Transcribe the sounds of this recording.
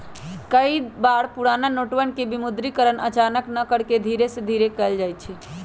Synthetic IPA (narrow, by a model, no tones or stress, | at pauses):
kəjd̪baɽpuɽananoʈwənkebimud̪ɾikəɾənə̰t͡ʃanəknəkəɽked̪ʱiɾesẽd̪ʱiɾekəld͡ʒajt͡ʃʰi